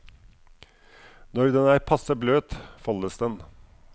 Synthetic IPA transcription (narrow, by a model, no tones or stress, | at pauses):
nɔɾd̪ɛnæːɾpʰɑsəbløːt̪fɑləsd̪ɛn